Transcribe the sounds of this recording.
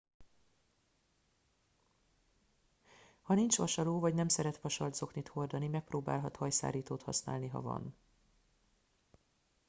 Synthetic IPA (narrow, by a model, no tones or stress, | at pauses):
hɒnint͡ʃʋɒʃɒloːvɒɟnɛmsɛɾɛt̪ʋɒʃɒrd̪zo̞knit̪ho̞rd̪ɒnimɛk̚proːba̰ːlɦɒt̪hɒjsa̰ːɾiːt̪oːt̪hɒsna̰ːlniɦɒ̰vɒ̰n